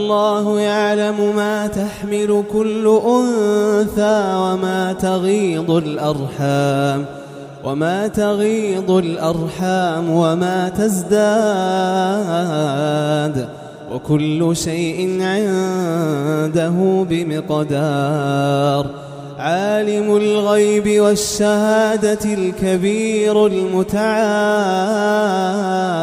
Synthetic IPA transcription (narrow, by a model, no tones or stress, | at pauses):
ʔɑlˤːɑːhʊjaʕlamʊmaːt̪aħmɪlʊkʊlːʊʔʊnθaːwamaːt̪aɣiːd̪ˤʊlʔɑɾˤħaːm | wʔamaːt̪aɣiːd̪ˤʊlʔɑɾˤħaːmwamaːt̪azd̪aː | ʕd̪ | wʔa̰kʊlːʊʃajʔɪnʕɪn | d̪aɦʊːbɪmɪqd̪ɑ | ɾˤ | ʕaːlɪmʊlɣajbɪwaʃːahaːd̪alkabiːɾlmʊt̪aʕa